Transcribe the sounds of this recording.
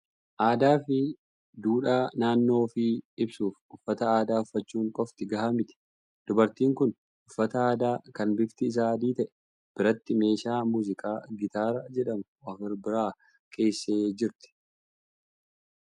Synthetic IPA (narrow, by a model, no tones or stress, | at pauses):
ʔaːd̪aːfɪ | d̪uːᶑaːnaːnːo̞ːfɪɪbsuːfʊfːɐt̪ɐaːd̪aːʊfːɐt͡ʃːuːŋkʼɔft̪ɪɡɐhɐmɪt̪ɛ̥ | d̪̥ʊbɐɾt̪iːŋkʊn | ʊfːɐt̪ɐaːd̪aːkɐnbɪft̪ɪːs̬aːd̪iːt̪ɐʔɛ̥ | b̥ɪɾɐt̪ːɪme̞ːʃaːmuːzɪkʼaːɡɪt̪aːɾɐd͡ʒɛᶑɐmʊɐfɪɾbɪɾaː | kʰe̞ːsːe̞ːd͡ʒɪɾt̪ɪ̥